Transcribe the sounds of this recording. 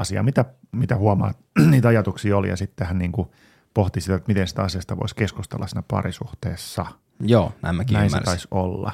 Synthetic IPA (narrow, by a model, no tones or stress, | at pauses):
ɑsiɑ̰mit̪æ | mit̪æhuɑmɑ̰ːt̪niːt̪ɑjɑt̪uksiːolḭjɑ̰sit̪ːehænniːŋku | poht̪isit̪æet̪mit̪ensi̥t̪æɑsiɑst̪ɑʋo̰iskeskust̪ḛlːɑsiːnæpɑ̰risuht̪eːsːɑ | joːnæ̰imːækinæinḛt̪ɑisolːɑ̰